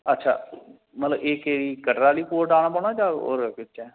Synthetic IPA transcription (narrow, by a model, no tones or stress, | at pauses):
ətːʃʰa̰ː | mət̪ləbeːkeːɾiːkəʈɾaːliːkoːɾʈaːñaːpɔñaːd͡ʒaːo̰ːɾpɪtːɛ̃ː